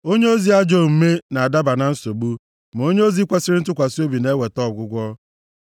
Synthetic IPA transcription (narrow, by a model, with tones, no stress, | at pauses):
o˦ɲe˦o˦zi˦a˦d͡ʒo˦˨m̩˨me˦na˨a˨da˦ba˨na˨n̩˦so˨ɡ͡bu˦ | m˨o˦ɲe˦o˦zi˦kʷa˦sɪ˦ɾɪ˦n̩˦t̬ʊ˦kʷa˨so˦bi˨ne˦we˨tɔ˦˨ɡʷʊ˦ɡʷɔ˦